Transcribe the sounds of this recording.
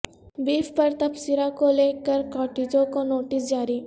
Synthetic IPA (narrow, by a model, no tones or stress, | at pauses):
biːfpɐɾt̪ɐpsiɾakoleːkəɾkɔːʈeːd͡ʒõkonoːʈɪsd͡ʒaːɾiː